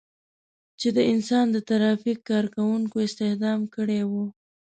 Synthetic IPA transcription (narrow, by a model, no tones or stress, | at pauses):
t͡ʃed̪əɪnsɑnd̪ət̪aɾɑfikːɑɾkawuŋkoɪst̪ɪhd̪ɑmkəɽewu